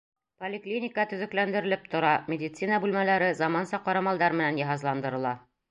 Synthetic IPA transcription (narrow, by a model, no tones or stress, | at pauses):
polʲɪklʲinʲɪkət̪ɵ̆ðɘ̆klænd̪ɘ̆ɾɘ̆lɘp̚t̪ŏɾɑmʲɪdʲɪt̪sinəbʉlmælæɾɘzɑmɑnsɑqɒɾɑmɑlˠd̪ɑɾmɘ̆nænjɑɦɑzlˠɑnd̪ɤ̆ɾɤ̆lˠɑ